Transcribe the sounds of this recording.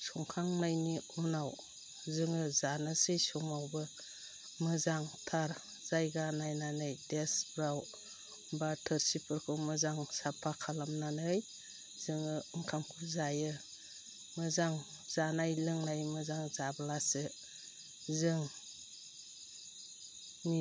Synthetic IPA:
sɔŋkʰaŋnajniunaw | zɯŋɯzanɯsɯjsɔŋawbɯ | mɯzaŋtʰaɾ | z̥ajɡanajnanɯjdesbɾaw | batʰɯɾsipʰɯɾkʰɯmɯzaŋsapʰakʰalamnanɯj | z̥ɯŋɯɯŋkʰamkʰuzajɯ | mɯzaŋ | z̥anajlɯŋnajmɯzaŋzablasɯ | zɯŋ | ni

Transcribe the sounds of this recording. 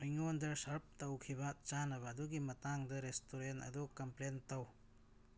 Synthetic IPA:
ɐjŋond̪ɐɾsɐɾp̚t̪ɐwkʰibat͡ʃanɐβad̪uɡimɐtaŋd̪ɐɾestoɾenɐ̰d̪ɔkɐmplentaw

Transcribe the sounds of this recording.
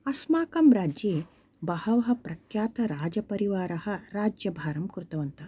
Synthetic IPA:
ɐsmaːkɐmɾaːd͡ʒjeː | bɐhɐʋɐɦɐ̆pɾɐkʰjaːt̪ɐɾaːd͡ʒɐpɐɾiʋaːɾɐhɐɾaːd͡ʒjɐbʱaːɾɐmkuɾt̪ɐʋɐnt̪ɐ

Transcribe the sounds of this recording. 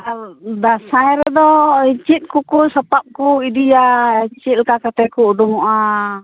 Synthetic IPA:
d̪asaɛɾɛd̪ɔit͡ʃit̪̚kukusapap̚kuidijat͡ʃit̪̚lkakat̪ɛkuːdumɔʔa

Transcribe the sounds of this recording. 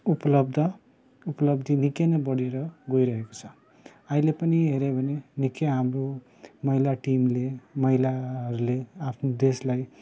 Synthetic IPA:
upʌlʌb̚d̪ʱʌ | upʌlʌbd̪inikenʌbʌɽieɾʌɡojɾʌɦeko̥t͡sʰʌ | ailepʌniɦeɾebʱʌnenikeɦamro | mʌilaʈimlemʌɦilaɦʌɾuleapʰnod̪eslaj

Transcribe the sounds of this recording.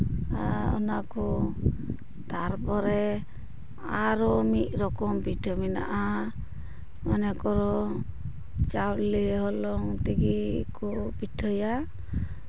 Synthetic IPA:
aɔ̰nakɔ | t̪aɾpɔɾɛ | aɾɔmit̪̚ˀɾɔkɔmpiʈʰɔmina̰ʔa | mɔnɛkɔɾɔ | t͡ʃawleɦɔlɔŋt̪iɡikɔpiʈʰɔja

